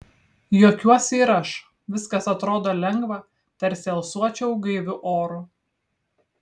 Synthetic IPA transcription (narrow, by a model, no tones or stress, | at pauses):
joːkʲuɔsʲiːɾɐʃ | ʋʲɪskɐsɐt̪ɾoːd̪oːlʲɛŋɡʋɐ | t̪ʲɛɾʲsʲɛlˠsuɔt͡ʃʲɛʊɡɐɪʋʲʊʔoːɾʊ